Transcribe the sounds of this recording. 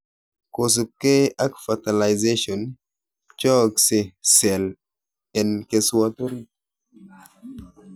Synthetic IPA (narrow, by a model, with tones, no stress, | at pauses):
ko˨s̬u˨ke˦ʔa˦kfa˨ta˨la˨jze˦ʃɔ˨n | t͡ʃɔ˦kse˨sɛ˨l | ɛ˨nke˨swa˦t̪o˦ɾi˦